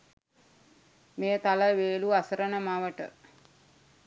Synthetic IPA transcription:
meːt̪aləʋeːluasəɾənəmaʋəʈə̰

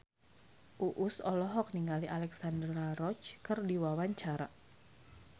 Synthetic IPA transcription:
ʔuʔusɔlɔɦɔk̚niŋaliʔalɛksandɾaɾɔt͡ʃkɨrdiwawaɲt͡ʃaɾa

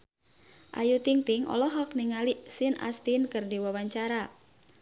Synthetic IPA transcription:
ʔajut̪iŋt̪ɪŋɔ̰lɔɦɔkniŋaliʔsina̰st̪inkərdiwɔwaɲt͡ʃaɾa

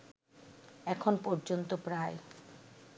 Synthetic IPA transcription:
ɛkʰonpɔɾd͡ʑont̪opɾae

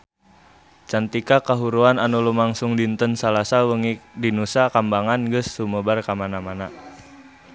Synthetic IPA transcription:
t͡ʃant̪ikakaɦuɾuananulumaŋsʊŋdint̪ənsalasawəŋikdinusakambaŋanɡəsːuməbarkamanamana

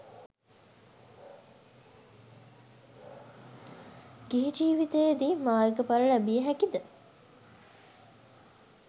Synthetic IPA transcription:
ɡ̥iɦid͡ʒiːʋit̪ejd̪imaːjɡəpaɾəɭæbijəɦækid̪ə

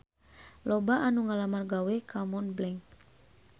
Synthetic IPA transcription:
lɔbaʔanuŋalamarɡawɛkamɔnblɛŋk

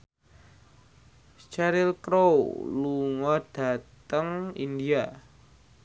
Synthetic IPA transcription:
t͡ʃɛɾɪlkɾowluŋad̥a̤tt̪əŋḭndia

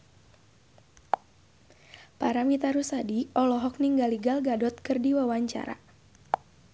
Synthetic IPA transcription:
paɾamit̪aɾusadiɔlɔɦɔk̚niŋɡaliɡalɡadɔt̪̚kɨrdiwawaɲt͡ʃa̰ɾa̰

